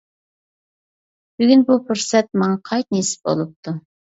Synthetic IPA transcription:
b̥yɡʲynbupʰʊɾsɛt̪̚mɑɴɑqʰɑjt̪̚nesɪ̥p̚bo̰lˠup̚t̪ʰu

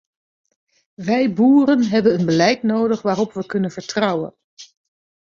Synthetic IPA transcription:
ʋɛjbuːrənɦɛbənənbəlɛjtnowdəχʋaːrɔpʋəkɵnənv̥əɹtrɑwə̰n

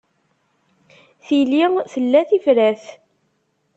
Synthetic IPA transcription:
θiliθəlːæθifɾæθ

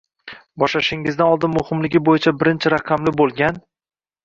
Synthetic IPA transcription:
bɒʃlaʃɪŋɪzd̪anɒlˠd̪ɪnmʊhɪmlɪɡʲɪbojɪt͡ʃʰabɪɾɪnt͡ʃʰɪɾaqʰɑmlɪbolˠɡʲan

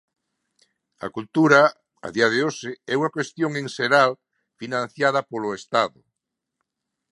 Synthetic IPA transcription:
ɐ̰kult̪uɾa | a̰ðiaðeoʃeɛuŋakwest̪joŋeŋseɾal | finãnθjað̞ɐpoloest̪aðʊ

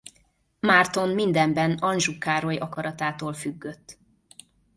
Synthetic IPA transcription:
maːrt̪o̞nmind̪ɛmbɛnɒnʒukaːɾo̞jɒkɒɾɒt̪aːt̪oːlfyɡːø̞t̪ː

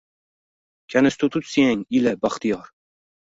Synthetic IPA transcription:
kʲʰænɪst̪ʰut̪ʰupsijɛŋilɛbɑχt̪ijɑɾ

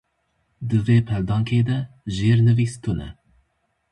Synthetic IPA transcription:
d̪ɨveːpʰɛld̪ɑːŋkʰeːd̪ɛʒeːɾnɨviːst̪ʰunɛ̰

